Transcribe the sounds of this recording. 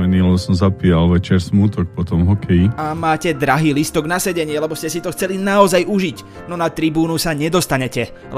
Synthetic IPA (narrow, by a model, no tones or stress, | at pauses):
ɛniːlɛbɔsɔmzapijalʋɛt͡ʃɛɾsmuːt̪ɔk̚pɔt̪ɔmɦɔkʰɛjiamaːcɛd̪ɾaɦiːlist̪ɔɡnasɛɟɛɲɪɛlɛbɔscɛsit̪ɔxt͡sɛlinaɔzajuʒic | nɔnat̪ɾibuːnusaɲɛd̪ɔst̪aɲɛcɛ